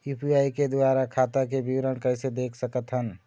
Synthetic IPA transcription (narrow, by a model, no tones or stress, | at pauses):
upʰiajked̪aɾakʰat̪əkebiwɾənkəɪsed̪ekʰsəkət̪ɦən